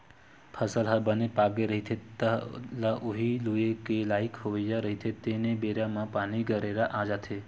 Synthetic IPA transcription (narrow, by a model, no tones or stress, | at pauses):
pʰəsəlɦabənepaɡeɾəɦit̪ʰet̪əlaʔuɦiluekelaikhoʋəjaɾəɦit̪ʰet̪enebeɾamãpaniɡəɾeɾaʔad͡ʒat̪ʰe